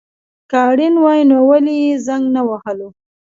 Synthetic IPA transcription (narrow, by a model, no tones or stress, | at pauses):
kaɽinwɑjnowalijezaŋɡnawahəlo